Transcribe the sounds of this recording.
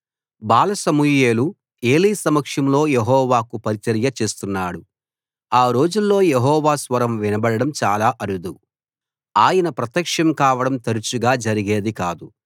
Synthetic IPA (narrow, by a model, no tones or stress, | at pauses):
baːlɐsɐmuje̞ːlu | e̞ːliːsɐmɐkʂɐmlo̞ːjeɦɔːʋaːkupɐɾit͡ʃɐɾjɐt͡ʃe̞ːst̪unːaːɽu | aːɾo̞ːd͡ʒulːo̞ːjeɦɔːʋaːsʋɐɾɐmʋinɐbɐɽɐɽɐmt͡ʃaːlaːʔɐɾud̪u | aːjɐnɐpɾɐt̪jɐkʂɐmkaːʋɐɽɐmt̪ɐɾut͡ʃuɡaːd͡ʒɐɾiɡe̞ːd̪ikaːd̪u